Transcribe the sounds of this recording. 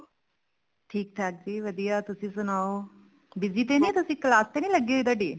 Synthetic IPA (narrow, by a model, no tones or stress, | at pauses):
ʈʰiːk̚t̪ʰaːk̚d͡ʒiːʋəd̪ijaːt̪ʊsĩːsʊnaːo | bɪziːt̪enĩːt̪ʊsĩːklaːst̪enĩːləɡeɪd̪aɖiː